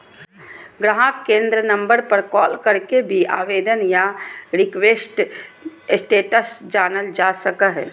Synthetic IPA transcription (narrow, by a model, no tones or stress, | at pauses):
ɡɾaɦakːẽːnd̪ɾənə̃mbəɾpəɾkɔːlkəɾkebʱia̰ːʋeːd̪ənjaɾɪkweːsʈ | sʈeːʈəsd͡ʒaːnəld͡ʒasəkəɦɛ̰ː